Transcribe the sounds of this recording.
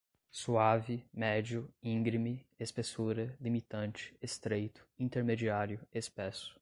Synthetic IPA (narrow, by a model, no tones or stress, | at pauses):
suavɪmɛd͡ʒʊĩɡɾimɪespesuɾɐlimit̪ɐ̃nt͡ʃɪ̥est̪ɾejt̪ʊ̥ĩnt̪eɾmed͡ʒiaɾjʊespɛsʊ̥